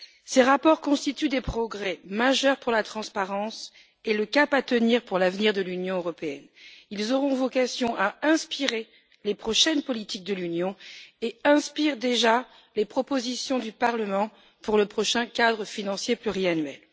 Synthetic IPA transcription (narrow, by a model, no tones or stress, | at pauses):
seʁapɔʁkɔ̃st̪it̪yd̪epχɔɡʁɛmaʒœʁpuʁlat̪χɑ̃spaʁɑ̃s | eləkapat̪əniʁpuʁlavniʁd̪əlynjɔ̃øʁɔpeɛnilzɔʁɔ̃vɔkasjɔ̃ʔaɛ̃spiʁe | lepχɔʃɛnpɔlit̪ik̚d̪əlynjɔ̃eɛ̃spiʁd̪eʒa | lepχɔpozisjɔ̃d̪ypaʁləmɑ̃ | puʁləpχɔʃɛ̃kad̪ʁəfinɑ̃sjeplyʁianɥɛ̰l